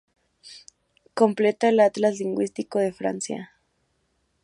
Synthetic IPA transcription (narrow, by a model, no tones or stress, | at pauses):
komplet̪aelat̪lasliŋɡwist̪ikoðefɾa̰nsja̰